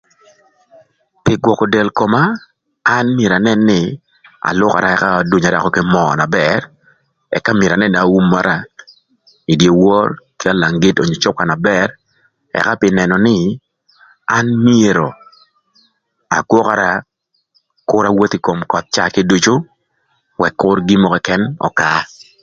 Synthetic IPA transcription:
pɪ˨ɡwɔ˨kɔ˨dɛ˨lko˨maː˦ | nmje˨ɾa˨nɛ˦nːɪ˦ | a̰˨lʊ˦ka̰˨ɾa˦ɛ˨ka˦˨dwu˨ɲa˨da˨kɔ˦kɪ˦mɔ˨na˨bɛ˨r | ɛ̰˨kːa˦mɪ˨ɾa˨nɛ˦na˨u˦mːa˦ɾʔa˦ | i˨dje˨wɔ˦rkɪ˦a˦la˨ŋɡi˦to˨ɲo˨t͡ʃɔ˦ka˨na˨bɛ˨r | ɛ̰˨ka˦pɪ˦nɛ˨nɔ˨nɪ˦ | a˦nmje˨ɾo˨ | a̰˨kwɔ˦ka˨ɾa˦ | kʊ˦ɾa˦wo˦ti˦ko˨mkɔ˨t̪̚t͡ʃa˦ki˦du˦t͡ʃo˦ | wɛ˨kːʊ˦rɡi˦mɔ˨kɔ˦kɛ˦nɔ̰˨ka˨

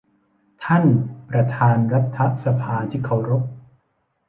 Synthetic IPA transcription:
t̪ʰa˥˩npɾa˧t̪ʰaː˧nɾa˦˥t̪ʰːa˦˥ʔsa˧pʰaː˧t̪ʰiː˥˩kʰa˧˨˩wɾo˦˥p̚

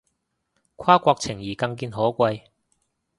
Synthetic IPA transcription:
kʷʰwaː˥kʷɔː˧k̚t͡sʰɪ˨˩ŋjiː˨˩kɐ˧ŋkiː˧nɦɔː˨˥kʷɐ˧j

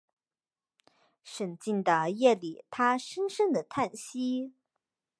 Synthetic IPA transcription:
ʂə˨˩nt͡ɕi˥˩nd̪ə˩jɛ˥˩li˨˩t̪ʰa˥ʂə˥nʂə˥ŋd̪ə˨t̪ʰa˥˩nɕi˥

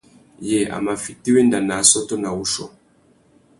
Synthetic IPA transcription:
jɛ˦˨a̰˨ma˨fi˨ti˦wɛ˦nda˨na˨sɔ˦tɔ˦na˨wu˦ʃɔ̰˨

